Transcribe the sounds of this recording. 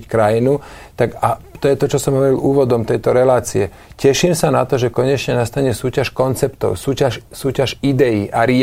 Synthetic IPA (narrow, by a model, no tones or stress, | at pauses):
ckɾajinu | t̪akat̪ɔjɛt̪ɔt͡ʃɔsɔmɦɔʋɔɾilʔuːʋɔd̪ɔmt̪ɛjt̪ɔɾɛlaːt͡siɛ | cɛʃimsanat̪ɔʒɛkɔɲɛt͡ʃɲɛnast̪aɲɛsuːcaʃkɔnt͡sɛpt̪ɔ̰ʊsuːcaʃsuːcaʒid̪ɛjiʔaɾɪ